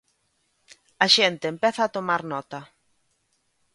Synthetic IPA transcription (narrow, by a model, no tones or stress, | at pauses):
ɐʃent̪eːmpɛθaːt̪omaɾnɔt̪ɐ